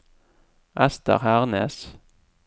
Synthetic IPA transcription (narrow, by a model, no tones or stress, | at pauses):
ʔɛst̪ə̰ʁhæʁnə̰s